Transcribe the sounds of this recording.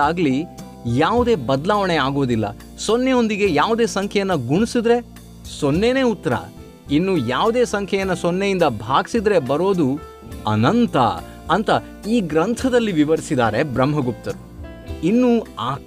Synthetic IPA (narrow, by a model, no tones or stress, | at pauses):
aːɡli | jaːʋud̪e̞ːbɐd̪laːʋɐɳeaːɡo̞ːd̪ilːɐ̰ | sonːeo̞nd̪iɡe̞jaːʋud̪e̞ːsɐŋkʰɛjɐnːɐɡuɳisid̪ɾe̞ | sonːene̞ːut̪ːɐɾɐ̰ | inːuːjaːʋud̪e̞ːsɐŋkʰɛjɐnːɐsonːejind̪ɐbʱaːɡisid̪ɾe̞bɐɾo̞ːd̪u | ɐ̰nɐnt̪ɐ̰ | ɐnt̪ɐ | iːɡɾɐnt̪ʰɐd̪ɐlːiʋiʋɐɾisid̪aːɾe̞bɾɐmːɦɐɡup̚t̪ɐɾu | inːuːaː